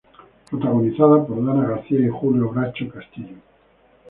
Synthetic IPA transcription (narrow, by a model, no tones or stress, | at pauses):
pɾot̪aɣoniθaðapoɾðanaɣaɾθiaixuljoβɾat͡ʃokast̪iʎo